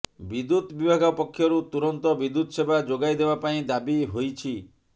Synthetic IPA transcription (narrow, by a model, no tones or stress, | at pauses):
bid̪ut̪bibʱaɡɔpɔkʰːjɔɾut̪uɾɔnt̪ɔbid̪ut̪ɔʃebad͡ʒoɡajd̪ebapaĩd̪abiɦojt͡ʃʰi